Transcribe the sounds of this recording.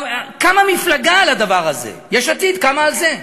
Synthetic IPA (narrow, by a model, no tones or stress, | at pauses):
kamamiflaɡaːlad̪avaʁazḛjɛʃat̪id̪kamaːlze